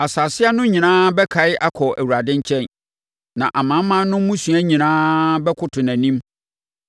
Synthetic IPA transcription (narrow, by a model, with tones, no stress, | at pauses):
a˨saː˨sɪ˦a˦nʊ̃˦ɲĩ˨nãː˦bɛ˦kʰa˨ɪ˦ʔa˦kʰɔ˨ʔæ̰˨wu˨ɾa˨dɪ̃˦ɲ˦t͡ɕʰɛ̃˦˨n | nã˨ʔa˨mã˨˦mːã˦n˦nʊ̃˦mũ˦sũ˨æ˦ɲĩ˨nãː˦bɛ˦kʰʊ˦tʰʊ˨næ̃˨nĩ˦m